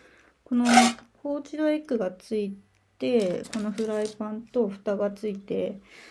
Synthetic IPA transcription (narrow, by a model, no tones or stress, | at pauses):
ko̞no̞hoːt͡ɕid̪o̞ekɯ̟ɡat͡sɨi | t̪e̞ko̞no̞ɸɯ̟ɾaipãnt̪o̞ɸɯ̟̥t̪aɡat͡sɨit̪e̞